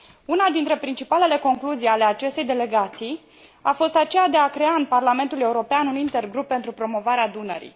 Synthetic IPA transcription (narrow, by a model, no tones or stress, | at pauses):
unad̪int̪ɾe̞pɾint͡ʃipale̞le̞ko̞ŋkluzijale̞at͡ʃe̞st̪ejd̪e̞le̞ɡat̪sij | afo̞st̪at͡ʃe̞jad̪e̞akɾe̞aɨnparlame̞nt̪ulje̞uɾo̞peanunint̪e̞rɡɾupːe̞nt̪ɾupɾo̞mo̞vaɾead̪unə̰ɾḭ